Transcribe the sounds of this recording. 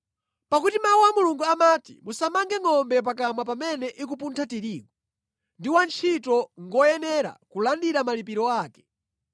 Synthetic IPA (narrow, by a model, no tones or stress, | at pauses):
pakutimauwamuluŋɡuamaːtḭmusamaŋɡɛŋɔmbɛp̬akamwapamɛnɛʔikup̬untʰatiɾiːɡɔ | ndiwant͡ʃʰitɔŋɡɔjɛnɛɾa̰kulandiɾamalipiɾɔaːkɛ̥